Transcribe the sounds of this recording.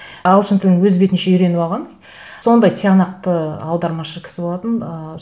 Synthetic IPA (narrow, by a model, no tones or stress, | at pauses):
ɑlˠʃənt̪ʰɪlɪŋwɵzbe̞t̪ɪnʃe̞ʏjɾe̞nɪbɑlˠʁɑnd̪j | so̞nd̪ɑjt̪ʰeanɑq̚t̪əɑwd̪ɑɾmɑʃəkʲʰɪ̥sɪbolˠɑt̪ənə